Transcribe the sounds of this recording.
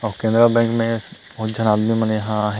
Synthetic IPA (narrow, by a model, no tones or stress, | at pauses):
ɔkẽnd̪ɾabɛ̃ːŋkmẽ | ʊd͡ʒʱənaːd̪mimənjɦãɦ